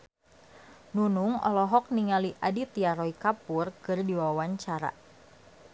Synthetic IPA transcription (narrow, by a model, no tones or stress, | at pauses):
nunuŋɔ̰lɔɦɔk̚niŋaliʔadit̪iaɾɔikapurkɨrdiwawaɲt͡ʃaɾa̰